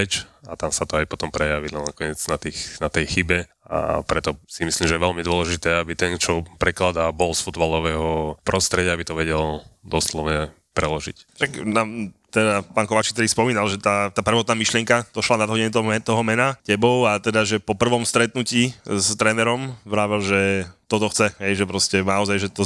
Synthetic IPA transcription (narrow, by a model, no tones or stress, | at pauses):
ɛt͡ʃat̪amsat̪ɔajpɔt̪ɔmpɾɛjaʋilɛnnakɔɲɪɛd͡znat̪iːxnat̪ɛjxibɛ | a̰pɾɛt̪ɔsimislimʒɛjɛʋɛlmid̪ʊɔlɛʒit̪ɛːabit̪ɛnt͡ʃɔpɾɛklad̪abɔlsfud̪balɔʋɛːɦɔpɾʔɔst̪ɾɛɟɪaabit̪ɔʋɛɟɛld̪ɔslɔʊɲɛ | pɾɛlɔʒḭcʃaknaːmt̪ɛd̪apaːnkɔʋaːt͡ʃik̚t̪ɛd̪ispɔmiːnalʒɛt̪at̪aːpr̩ʋɔːt̪naːmiʃlɪɛŋkad̪̥ɔʃlanad̪ɦɔɟɛɲɛt̪t̪ɔɦɔmɛnacɛbɔʊat̪ɛd̪aʒɛpɔpr̩ʋɔmst̪ɾɛt̪nuciːst̪ɾɛnɛɾɔmʋɾaːʋɛlʒɛt̪ɔt̪ɔxt͡sɛɦɛjʒɛpɾɔscɛnaɔzajʒɛt̪ɔ